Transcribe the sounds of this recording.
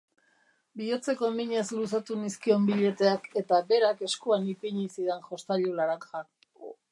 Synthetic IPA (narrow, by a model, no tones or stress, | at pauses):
bio̞t͡se̞ko̞miɲe̞zlusat̪uniskio̞mbiʎe̞t̪e̞ake̞t̪abe̞ɾake̞skuanipiɲisiðe̞nxo̞st̪aʎulaɾaŋxa